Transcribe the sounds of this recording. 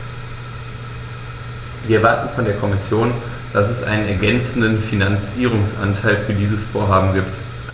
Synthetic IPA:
viːɐɛɐvaɐtn̩fɔndeːɐkʰɔmɪsjoːn | d̥asɛsʔa̰ɪnənɛɐɡɛnt͡sn̩dənfinant͡siːʁ̞ʊŋsʔa̰ntʰaɪlfyːɐdiːzəsfoːɐɦaːbm̩ɡiːpt

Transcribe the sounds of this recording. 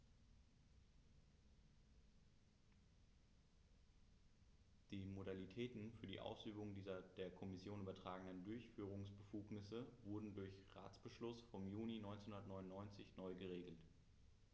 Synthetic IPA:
d̥iːmodalitʰɛːtn̩fyːɐdḭːʔa̰ʊsʔyːbʊŋdiːzɐd̥eːɐkʰɔmɪsjoːnʔyːbɐtʁ̥aːɡəŋ̩dəndʊɐçfyːʁ̞ʊŋsb̥əfuːknɪsəvʊɐdn̩dʊɐçʁa̰ːt͡sb̥əʃlʊsfɔmjuːninɔʏnt͡senhʊ̃ndɐtnɔʏnʊnːɔʏnt͡sɪçnɔʏɡəʁeːɡl̩t

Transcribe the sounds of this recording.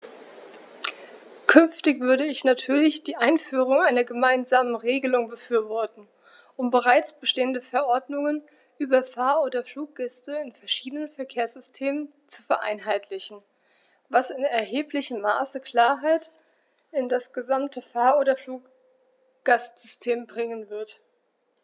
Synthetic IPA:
kʰʏnftɪçv̥ʏɐɾəɪçnatʰyːɐlɪçd̥iːʔaɪnfyːʁ̞ʊŋʔaɪnɐɡəmaɪnzaːmənʁeːɡəlʊŋbəfyːɐvɔɐtn̩ | ʔʊmbəʁ̞aɪt͡sb̥əʃteːəndəfɛɐʔɔɐdnʊŋən | ʔyːbɐfaːɐoːdɐfluːk̚ɡ̥ɛstəɪnfɛɐʃiːdənənfɛɐkʰeːɐsz̥ʏstʰeːmən | t͡su̥fɛɐʔa̰ɪnɦaɪtlɪçn̩ | vasɪnɛɐɦeːplɪçəmːa̰ːsəkʰl̥aːɐɦaɪt | ɪndasɡ̥əzamtʰəfaːɐʔoːdɐfluːk | ɡ̥astz̥ʏstʰeːmbʁɪŋənvɪɐt

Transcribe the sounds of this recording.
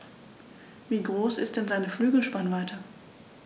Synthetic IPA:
viːɡʁoːsɪstd̥ɛnzaɪnəflyːɡl̩ʃpanvaɪtʰɐ

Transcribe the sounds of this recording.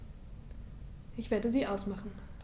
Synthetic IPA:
ʔɪçv̥eːɐdəziːʔaʊsmaχn̩

